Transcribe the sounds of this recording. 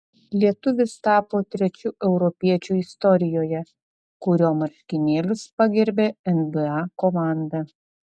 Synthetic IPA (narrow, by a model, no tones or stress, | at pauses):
lʲiɛt̪ʊʋʲɪst̪ɑːpoːt̪ʲɾʲɛt͡ʃʲuːʔɛʊɾɔpʲiɛt͡ʃʲuːɪst̪ɔɾʲɪjoːjɛ | kʊɾʲoːmɐɾʲkʲɪnʲeːlʲʊspɐɡʲɛɾʲbʲeːɛnbɨɑkɔmɑˑnd̪ɐ